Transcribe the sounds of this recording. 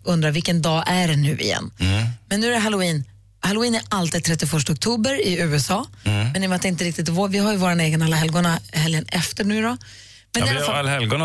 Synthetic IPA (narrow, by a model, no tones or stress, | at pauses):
ʔɵnd̪ɾaɾvɪlkənd̪ɑːʔæɖɛnːʉ̟̰ːɪ̰jɛ̰nːmɛnːʉːæɾɦalʊiːn | halʊiːnæɾalt̪iːd̪t̪ʰɾɛt̪ːɪfœʂʈaɔk̚t̪ʰuːbəɾɪʉ̟ːɛsɑːmɛnɪmat̪ɪnt̪əɾɪk̚t̪ɪt̪voːvɪɦajɵvoːɾaneːɡənalːaɦɛlɡʊɳahɛljənɛft̪əɳʉːɾɔ | mɛnd̪ɛalalːaɛlɡʊn